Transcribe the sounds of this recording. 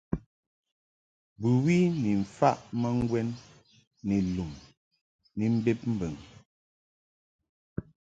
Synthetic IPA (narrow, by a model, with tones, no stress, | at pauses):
bʉ˨wi˦ni˨ɱ̩˨fa˦ʔmə˦ŋ˦ɡwɛ˦nː | i˨lu˨m | ni˨m̩˦be˦p̚m̩˦bə˨ŋ